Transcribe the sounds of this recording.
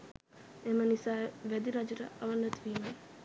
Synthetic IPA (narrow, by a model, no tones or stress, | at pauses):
emənisaːʋæd̪iɾad͡ʒuɾə̰ʔɐʋɐnːɐt̪ʋiːme